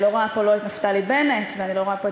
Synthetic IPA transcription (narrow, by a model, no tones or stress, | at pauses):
loʁoapoloet̪naft̪alibe̞net̪veanilo̞ʁoapo